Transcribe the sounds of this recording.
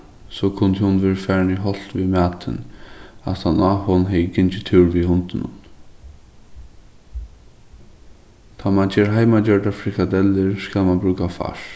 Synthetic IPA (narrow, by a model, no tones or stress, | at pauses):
sɔkʰʊnt̪ɪhʊnʋeːɹfæːɹnɪɦɔl̥t̪ʋimæːt̪ʰɪ̰na̰t̪hanahɔnɦɛjɪɡɪnt͡ʃɪt̪ʰɪwɹʋihʊnt̪ɪnʊ̰n | t̪ʰaːmand͡ʒeːɾɦajmajœɹɖafɾɪkad̪ɛlɪɹskaːlmanbɾʉːkafa̰ʂ